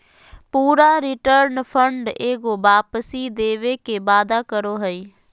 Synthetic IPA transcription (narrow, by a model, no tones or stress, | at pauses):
puːɾaːɾɪʈəɾnpʰəɳɖeːɡoːbaːpəsiːd̪eːʋeːkeːbaːd̪aːkəɾoːɦəiː